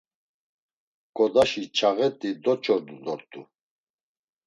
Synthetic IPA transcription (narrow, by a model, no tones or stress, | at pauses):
ɡʼɔd̪aʃit͡ʃʰaɣɛt̪ʼid̪ɔt͡ʃʰɔɾd̪ud̪ɔɾt̪ʼṵ